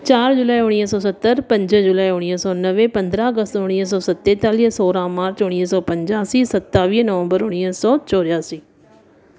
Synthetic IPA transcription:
t͡ʃaːɾd͡ʒʊlaːiʊɽ̃iːəsɔːsɐt̪ːəɾpɐ̃ɲd͡ʒd͡ʒʊlaːiʊɽ̃iːəsɔːnəʋepɐ̃nd̪ɾaəɡəst̪ʊɽ̃iːs̬ɔːsɐt̪ːeːt̪aːlisoːɾãmaːɾt͡ʃʊɽ̃iːsɔːpɐ̃ɲd͡ʒaːsisɐt̪ːaːʋiːnəʋə̃mbəɾʊɽ̃iəsɔːt͡ʃɔːɾjaːsiː

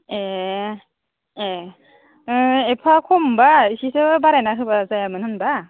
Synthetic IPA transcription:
e | e | ɯepʰakʰombaisisɯbaɾenaɦɯbazajamɯnhɯnba

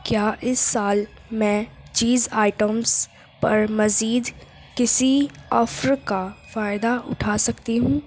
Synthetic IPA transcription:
kjaːʔɪsːaːl | mɛ̃ːt͡ʃiːzaːɪʈəmz | pɐɾmɐziːd̪ | kɪsiɔfɾkafaːɪd̪aʔʊ̰ʈʰaːsɐkt̪iɦũː

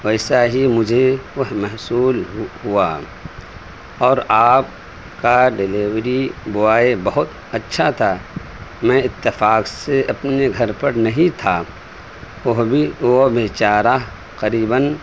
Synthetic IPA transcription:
ʋɛːsaɦimʊd͡ʒʱeʋɐɦmɐɦsuːlhua̰ | ɔːɾaːp̚ | kaɖɪleːwɾibʊaːebɐɦʊt̪ | ɐtːʃʰat̪ʰa | mɛ̃ɪt̪ːɪfaːkseɐpneɡʱɐɾpəɾnɐɦĩt̪ʰa | ʊɦbʱiʋobeːt͡ʃaːɾa | qəɾiːbən

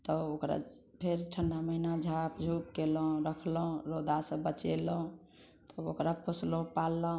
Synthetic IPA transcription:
t̪ɔokɾa̰ | pʰeɾʈʰəɳɖaməinad͡ʒʱapd͡ʒʱupkeləũɾəkʰləɦũɾod̪ʱasə̃bət͡ʃeləɦũ | t̪ɔokɾaposlũpalːəɦ

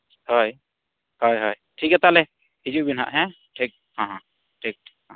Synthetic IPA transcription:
hɔj | hɔjɦɔj | ʈʰikat̪alɛ | hid͡ʒuʔbinɦa̰ʔɦɛ̃ | ʈʰik̚ | hãɦã | ʈʰik̚hã

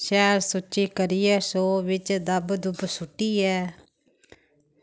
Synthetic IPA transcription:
ʃɛːɾsʊt͡ʃiːkəɾiːɛːsoːʋɪt͡ʃd̪əbd̪ʊbsʊʈːiːɛː

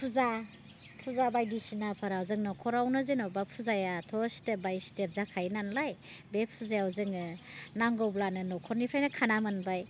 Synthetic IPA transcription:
pʰuza | pʰuzabajdisinapʰaɾawzɯŋnɔkʰɔɾawnɯzenɔbapʰuzajatʰɔsi̥tebajsi̥tep̚zakʰajnanlajbepʰuzajawzɯŋɯnaŋɡɔwblanɯnokʰɔɾnipʰɾajnakʰanamanbaj

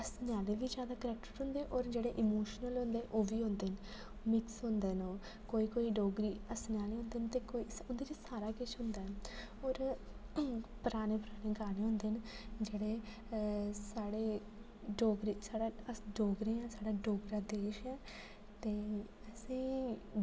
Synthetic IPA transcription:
əsnjaːleːʋiːd͡ʒjaːd̪aːkəɾɛk̚ʈəɾɦʊ̃nd̪eːʔɔːɾd͡ʒeːɽeːʔɪmoːʃnəlɦʊ̃nd̪eːʔoːʋiːɦʊ̃nd̪eːn | mɪksɦʊ̃nd̪eːnoː | koːiːkoːiːɖoːɡɾiːəsnaːleːɦõːnd̪eːnt̪eːkoiʊnd̪eːd͡ʒiːsaːɾaːkɪʃɦʊ̃nd̪aːɛ | ɔːɾ | pəɾaːneːpəɾaːneːɡaːneːɦʊ̃nd̪eːnd͡ʒeːɽeː | saːɽeː | ɖoːɡɾeːsaːɽaːəsɖoːɡɾẽːãːsaːɽaːɖoːɡɾaːd̪eːʃɛː | t̪eː | əsĩː

